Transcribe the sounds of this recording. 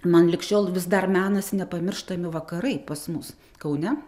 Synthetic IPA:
mɐnlʲɪkʃʲoːlˠʋʲɪsd̪ɐrmʲæːnɐsʲɪnʲɛpɐmʲɪrʃt̪ɐmʲɪʋɐkɐɾɐɪpɐsmʊs | kɐʊnʲɛ

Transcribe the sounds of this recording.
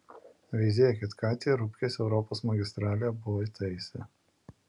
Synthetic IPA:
ʋʲɛɪzʲeːjɛkʲɐt̪kɑːt̪ʲijɛɾʊpʲkʲesʲɛʊɾɔpoːsmɐɡʲɪst̪ɾɑːlʲɪjɛbʊʋɔit̪ɐɪsʲɛ

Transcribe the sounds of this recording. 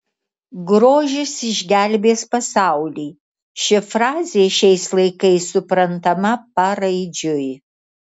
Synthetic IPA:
ɡɾoːʒʲɪsɪʒʲɡʲælʲbʲeːspɐsaˑʊlʲiː | ʃʲɪfɾɑːzʲeːʃʲɛɪslˠɐɪkɐɪsʊpɾɐnt̪ɐmɐpɐɾɐɪd͡ʒʲʊj

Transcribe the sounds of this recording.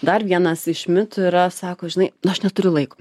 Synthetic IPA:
d̪ɐrʋʲiɛnɐsɪʃʲmʲɪt̪ʊiɾɐsɑːkoːʒʲɪnɐɪnɐʃnʲɛt̪ʊɾʲʊlˠɐɪko̥ː

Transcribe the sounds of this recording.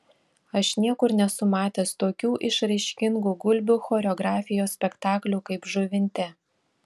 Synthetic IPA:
ɐʃnʲiɛkʊɾnʲɛsʊmɑːt̪ʲest̪oːkʲuːʔɪʃɾɐɪʃʲkʲɪŋɡuːɡʊlʲbʲuːxoːɾʲoːɡɾɑːfʲɪjoːsʲpʲɛkt̪ɑːklʲuːkɐɪpʒʊʋʲɪnʲt̪ʲɛ

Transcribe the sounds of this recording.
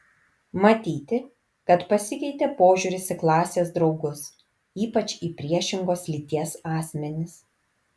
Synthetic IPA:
mɐt̪ʲiːt̪ʲɪ | kɐt̪pɐsʲɪkʲɛɪt̪ʲeːpoːʒʲuɾʲɪsɪklˠɑːsʲeːs̬d̪ɾɒʊɡʊs | iːpɐt͡ʃʲiːpʲɾʲiɛʃʲɪŋɡoːslʲiːt̪ʲiɛsɑːsʲmʲɛnʲɪs

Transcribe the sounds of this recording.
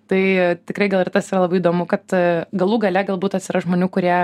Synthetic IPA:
t̪ɐɪt̪ʲɪkɾɐɪɡɐlˠɪrt̪ɐsiːɾɐlˠɐbɐɪiːd̪oːmʊkɐt̪ɡɐlˠuːɡɐlʲɛɡɐlˠbuːt̪ɐtʲsʲɪɾɐʒmoːnʲuːkʊɾʲiɛ

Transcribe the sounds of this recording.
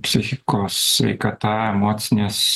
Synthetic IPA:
pʲsʲɪxʲɪkoːsʋʲɛ̰ɪkɐt̪ɐɛmoːt̪sʲɪnʲeːs

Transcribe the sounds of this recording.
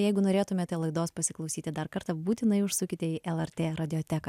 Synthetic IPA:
jɛɪɡʊnoːɾʲeːt̪ʊmʲeːt̪ɛlˠɐɪd̪oːspɐsʲɪklˠɐʊsʲiːt̪ʲɪd̪ɐɾkɐɾt̪ɐbuːt̪ʲɪnɐɪʊʃsʊkʲɪt̪ʲɛɪʔɛlˠɛɾʲt̪ʲeːɾɐd̪ʲɪoːt̪ʲækɐ

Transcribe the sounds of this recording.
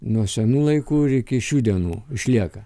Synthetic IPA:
nuɔsʲɛnuːlˠɐɪkuːɾɪkʲɪʃʲuːd̪ʲiɛnuːɪʃʲlʲiɛkɐ

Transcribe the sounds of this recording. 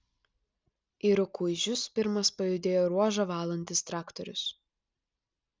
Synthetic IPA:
iɾʊkʊɪʒʲʊspʲɪɾmɐspɐjʊd̪ʲeːjoːɾuɔʒɐʋɑːlˠɐnʲt̪ʲɪst̪ɾɑːkt̪ɔɾʲʊ̰s

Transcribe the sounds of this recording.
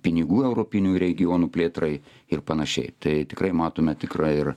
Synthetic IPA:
pʲɪnʲɪɡuːɛʊɾoːpʲɪnʲuːɾʲɛɡʲɪjoːnuːpʲlʲeːt̪ɾɐɪ | ɪrpɐnɐʃʲɛ̰ɪt̪ɐɪt̪ʲɪkrɐɪmɑːt̪oːmʲɛt̪ʲɪkrɑːɪr

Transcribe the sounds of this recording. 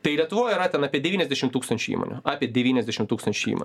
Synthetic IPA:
t̪ɐɪlʲiɛt̪ʊʋoːjiɾɐt̪ʲɛnɑːpʲiɛd̪ʲɛʋʲiːnʲɛzd̪ʲɛʃʲɪmt̪uːkst̪ɐnʲt͡ʃʲʊḭːmo̰nʲʊɑːpʲiɛdʲɛʋʲiːnʲɛzd̪ʲɛʃʲɪmt̪uːkst̪ɐnʲt͡ʃʲʊḭːmo̰n

